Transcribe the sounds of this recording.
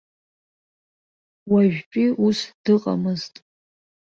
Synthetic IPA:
waʒᶣpʲʼiʔusd̥ɨqʼa̰mɨztʼ

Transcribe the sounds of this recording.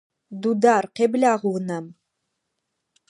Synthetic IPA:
dudaːrqeːblʲaːʁwnɐm

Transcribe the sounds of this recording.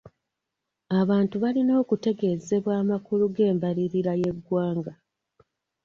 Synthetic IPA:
aβaːntuβalino̞ːkute̞ɡe̞ze̞βwaːmakuluɡe̞ːmbaliɾiɾaje̞ɡwaːŋɡa

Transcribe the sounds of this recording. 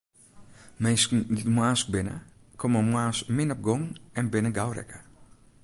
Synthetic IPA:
mejskdtmuaːsk̚bɪnə̰ | kʰɔməmwaːsmɪnɔp̚ɡɔŋɛnbɪnəɡawɾɛ̰kə

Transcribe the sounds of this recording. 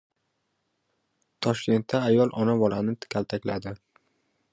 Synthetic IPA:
t̪ʰɒʃkʲe̞nt̪ːaːjɒlˠʔɒnabɒlˠanɪt̪kʲʰalˠt̪ʰakʲlad̪ɪ

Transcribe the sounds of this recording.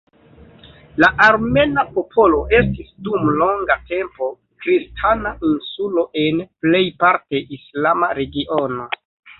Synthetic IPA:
laʔaɾme̞napo̞pʰo̞lo̞ʔe̞stisdumlo̞ŋɡate̞mpo̞ | kɾistʰanaʔinsulo̞ʔe̞nple̞jpaɾte̞ʔislamaɾe̞ɡiʔo̞no̞

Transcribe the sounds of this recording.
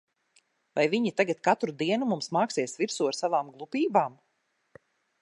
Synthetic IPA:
vajviɲit̪aɡat̪kat̪ɾud̪iɛnumumsmaːksiɛsviɾsuaɾsavaːmɡlˠupiːbaːm

